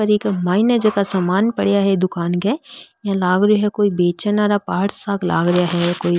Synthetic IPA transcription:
ɐɾikmaːinəd͡ʒɐkasaːmaːnpɐɽjaɦɛd̪ʊkaːnkɛjãlaːɡɾoɦɛkoːibeːt͡ʃənaɾapaːɽsaːkla̰ːɡɾɐjaɦɛkoːi

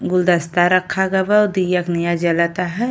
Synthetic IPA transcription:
ɡʊld̪ɐst̪aɾɐkʰːaɡɐbad̪ijaknijad͡ʒɐlat̪aɦɛ

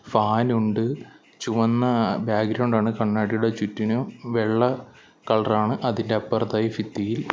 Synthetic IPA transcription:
faːnuɳɖɨ | t͡ɕuʋɐnːɐbjaːɡɾɐwɳɖaːɳɨkɐɳːaːɽijuɽe̞t͡ɕutːinuʋe̞ɭːɐ | kɐɭɐraːɳɨʔɐðinde̞ɐpːɐrt̪ɐjɐfit̪ːijil

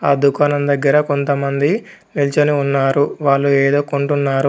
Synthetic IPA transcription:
aːd̪ukaːnɐmd̪ɐɡːɐɾɐko̞nt̪ɐmɐnd̪i | nilt͡ʃɐniunːaːɾuʋaːɭːueːd̪o̞ːkoɳʈunːaːɾu

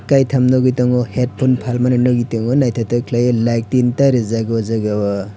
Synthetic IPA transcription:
kajtʰamnɔɡijtɔŋɔhet̚pʰonpʰalmanɯnɔɡijtɔŋɔnajtʰatɯkʰlajlajk̚tintaɾizaɡɔzaɡawɔ

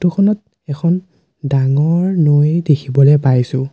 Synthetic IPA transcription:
tukʰɔnɔt̚ | ɛkʰɔn | daŋɔɹnojdekʰibɔlɛpajsʊ̃

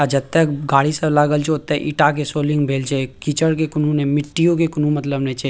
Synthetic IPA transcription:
ad͡ʒɐt̪ːekɡaːɽisəlaːɡəlt͡ʃeot̪eʔiʈak̬esoːlɪ̃ŋɡbʱeːld͡ʒeekit͡ʃəɽkekʊnũnemɪʈːijõkekʊnũmət̪ləbnet͡ʃe

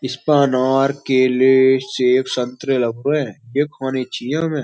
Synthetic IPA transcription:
ɪspaːnaːɾkeːleseːfsə̃nt̪ɾelɐbɛ̃jekʰaːnet͡ʃijãmẽː

